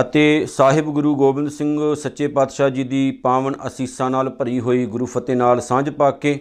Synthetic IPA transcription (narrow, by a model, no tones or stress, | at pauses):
ət̪eːsaːɦɪbɡʊɾuːɡoːbɪ̃nd̪sɪ̃ŋɡsətːʃeːpaːd̪ʃaːd͡ʒiːd̪iːpaːʋəɳəsiːsãːnaːlpəɾiːɦoːiːɡʊɾuːpʰət̪eːnaːlsãːd͡ʒpaːkeː